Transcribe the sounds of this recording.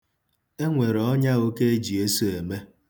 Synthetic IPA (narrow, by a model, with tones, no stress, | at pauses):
e˦ŋʷe˨ɾɔ˦ɲa˦o˦ke˦e˦d͡ʒi˨e˦su˦e˨me˦